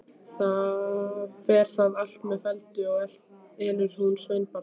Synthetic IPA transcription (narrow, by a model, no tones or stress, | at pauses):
θa | fɛːɾ̥θaðal̥t̪mɛðfɛlt̪ɪɔɣɛl̥t̪̚ | ɛːnʏɾ̥hunsveɥnpa